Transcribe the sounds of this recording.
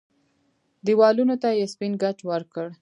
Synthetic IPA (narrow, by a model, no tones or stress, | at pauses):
d̪iwɑlunot̪ajaspinɡat͡ʃwəɾkəɽ